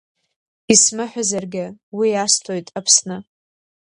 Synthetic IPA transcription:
ismɨħʷᶣazarɡʲɪwiastʰojtʼapʰsnɨ

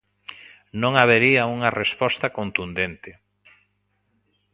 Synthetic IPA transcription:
nõŋaβ̞eɾiauŋɐrespɔst̪akont̪und̪ent̪ɪ

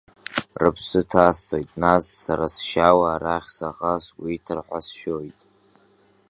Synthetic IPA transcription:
rɨpʰsɨtʰaːso̞jtʼnasːaɾasʃawaːɾaχʲsaʁaswiːtʰɨrħʷasʃᶣojtʼ

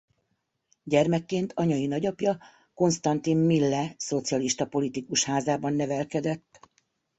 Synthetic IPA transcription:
ɟɛrmɛkːeːnt̪ʰɒɲɒinɒɟɒpjɒ | ko̞nst̪ɒnt̪inmilːɛso̞t̪sijɒliʃt̪ɒpo̞lit̪ikuʃhaːzaːbɒnːɛvɛlkɛd̪ɛt̪ː

